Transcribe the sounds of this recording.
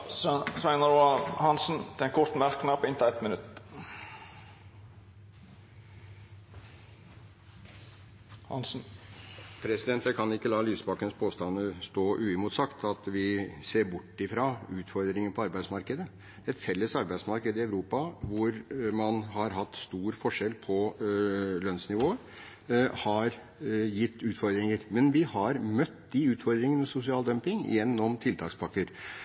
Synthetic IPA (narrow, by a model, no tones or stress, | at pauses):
sæɪnəɾɑhɑnsn̩t̪ʰɪɛnkʰɔɾt̪mæɾknɑpɔɪnt̪ɔɛt̪mɪnʉt̪ː | hɑ̰nsn̩ | pʰɾɛsɪd̪ɛnt̪əkɑnɪkːəlɑːlyːsbɑkənspʰoːst̪ɑnːəst̪oːʔʉːɪmʊːt̪sɑkt̪ʰɑt̪ʋɪseːɾbʊʈːɪfɾɑːʉːt̪fɔɾd̪ɾɪŋənpʰɔɑɾbæɪsmɑɾkəd̪ə | ɛt̪fɛlːəsɑɾbæɪsmɑɾkəd̪ɪɑʉɾuːpɑʋʊɾmɑnɦɑɾɦɑt̪ːst̪uːɾfɔʂɛlpʰɔ | lœnsnɪʋoː | hɑɾ | jɪt̪ːʉːt̪fɔɾd̪ɾɪŋəɾmɛnʋɪhɑɾmœt̪ːd̪ɪʉːt̪fɔɾd̪ɾɪŋənəsʊsɪɑːld̪œmpɪŋɪ̰jɛnːɔmt̪ʰɪlt̪ʰɑːkspʰɑkːəɾ